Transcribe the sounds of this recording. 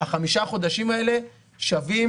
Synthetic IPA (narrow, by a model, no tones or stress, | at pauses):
aχamiʃaχo̞d̪aʃimae̞le̞ | ʃavim